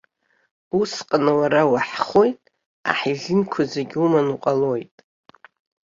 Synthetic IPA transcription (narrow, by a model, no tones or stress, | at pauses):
usqʼanawaɾawaħχo̞jtʼ | a̰ħiɮɨnkʷʰazeɡʲumanuqʼalo̞jtʼ